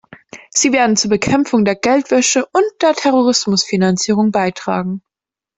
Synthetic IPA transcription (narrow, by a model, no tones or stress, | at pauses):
z̥iːveːɐdn̩t͡suːɐbəkʰɛmfʊŋdeːɐɡɛltv̥ɛʃəʔʊnt̚d̥eːɐtʰɛʁoʁ̞ɪsmʊsfinant͡siːʁ̞ʊŋbaɪtʁ̥a̰ːɡŋ̩